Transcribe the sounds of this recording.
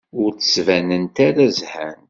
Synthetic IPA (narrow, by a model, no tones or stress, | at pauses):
ʊɾt͡sːə̥svænənt̪aɾazhæn